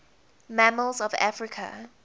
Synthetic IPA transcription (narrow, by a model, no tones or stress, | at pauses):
mæməlˠzɔva̰fɹɪkʰə̰